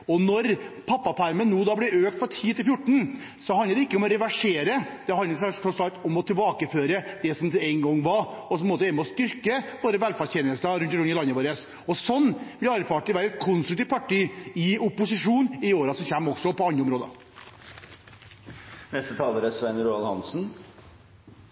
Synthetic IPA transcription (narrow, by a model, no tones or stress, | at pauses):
ɔnɔɾpʰɑpːɑpʰæɾmənːuːd̪ɑblɛøːkt̪fɔɾʈʰiːt̪ɪlfjʊʈːɳ̩ | sɔhɑnəd̪ɛɪkːəɔmɔɾɛʋæʂeːɾəd̪̥ɛɦɑnəsɔsɑlt̪ːɔmɔt̪ʰɪlbɑːkəføːɾəd̪̥ɛsɔmt̪ʰɪlɛɪŋɡɔŋːʋɑɾɔsɔp̪moːt̪əɛːnmɛɔst̪ʏɾkəʋoːɾəʋɛlfɑːçeːnəlst̪ɑɾʉnt̪ɾɔnɪlɑnːəʋoːɾəs | ɔsɔnːblɪɑɾfɑːʈːɪlʋæːɾɛt̪̚kʰʊnst̪ɾʉkt̪iʋ̪pɑʈʰiːɪʊpːʊsɪʂuːnɪoːɾɑsɔmçɛmːɔksɔpɔɑnːəɔmɾoːd̪ə̰ | nɛst̪ət̪ʰɑːləɾəsʋɛnɾuːɑlhɑ̰nsn̩